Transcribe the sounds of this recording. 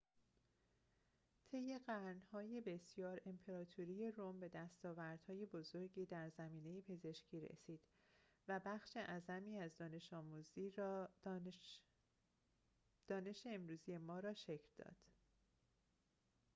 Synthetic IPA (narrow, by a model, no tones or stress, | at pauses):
t̪ʰe̞jːe̞ɢæɾnhɒːjebe̞sjɒːɾe̞mpʰe̞ɾɒːt̪ʰuɾije̞rombe̞d̪æst̪ɒːvæɾd̪̥hɒːje̞bo̞zo̞ɾɟiːd̪æɾzæmiːne̞jepʰe̞ze̞ʃcʰiːɾḛsiːd̪̥ | væbæxʃe̞ʔæzæmiːæzd̪ɒːne̞ʃɒːmuːziː | d̪̥ɒːne̞ʃe̞ːmɾuːzije̞mɒːɾɒːʃe̞cʰɾd̪̥ɒ̰ːd̪̥